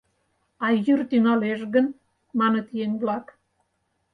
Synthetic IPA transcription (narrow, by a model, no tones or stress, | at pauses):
ɑjyrt̪ynɑleʃɣən | mɑnət̪jenʲβlɑk